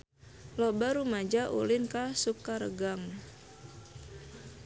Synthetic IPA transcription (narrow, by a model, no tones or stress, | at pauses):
lɔbaɾumad͡ʒaʔṵlɪnkasukaɾə̰ɡaŋ